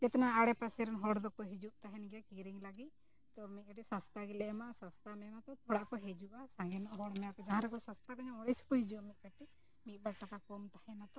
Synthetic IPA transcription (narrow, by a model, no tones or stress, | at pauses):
d͡ʒɛt̪anaːɽɛpasɛɾɛnɦɔɽd̪ɔkɔɦid͡ʒuʔt̪aɦɛnɡɛjakiɾiŋlaɡit̪̚ | t̪ɔmit̪̚ˀkaʈisast̪aɡilɛmaʔsast̪amɛmat̪ɔt̪ʰɔɽaʔkɔɦɛd͡ʒuʔasãŋɡɛnɔʔɦɔɽmɛapɛd͡ʒaɦãɾɛkɔsãst̪akɔɲamɔɽɛjsi̥pɔhid͡ʒuamit̪̚kaʈi | mit̪̚baɽʈakakɔmt̪ahɛnat̪ɔ